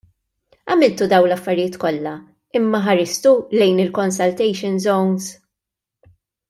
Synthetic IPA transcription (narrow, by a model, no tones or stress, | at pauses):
ɐmɪlt̪ud̪ɐwnlɐfːɐɾɪjɪːt̪kɔlːɐ | ɪmːɐħɐɾɪst̪ulɛjnɪlkɔnsɐlt̪ɛjʃɪnzɔwns